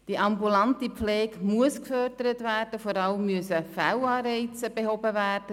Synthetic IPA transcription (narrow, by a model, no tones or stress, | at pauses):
d̥iəʔɑmbulɑntipflɛːkmuəskfœrdəɾətvæːrd̥əfoɾɑləmːyəsəfaʊɑːɾɛɪt͡səb̥ehɔbəvæːrdə